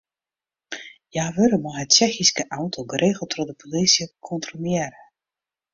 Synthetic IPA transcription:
jaːʋøɾəmɔɦətt͡ʃɛxiskəʔawntʰoɡəreːɣəlˠtʰrɔdəpʰolisjəkʰɔntromɪɛɾə

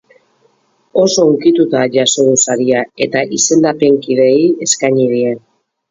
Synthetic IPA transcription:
o̞so̞uŋkit̪ut̪aʝaso̞ðusaɾiae̞t̪aʔise̞ld̪ape̞ŋkiðe̞ie̞skajɲiɾien

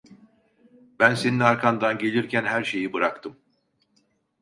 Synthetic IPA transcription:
bænse̞ninaɾkʰand̪anɟe̞lʲiɾcʰænhæɾʃe̞jibɯɾakt̪ʰɯm

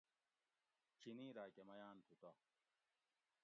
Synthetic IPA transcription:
t͡ɕʰiniːɾaːkemɐjaːnt̪ʰut̪a

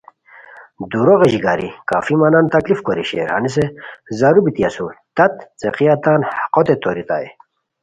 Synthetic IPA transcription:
d̪uɾoʁeʑiɡa̰ːɾḭkaːfimanaːnt̪ɐklifkoɾḭɕḛːɾha̰nis̬ezaɾubit̪iɐsut̪ɐt̪t͡seqijat̪aːnhqot̪et̪oːɾit̪aːḭ

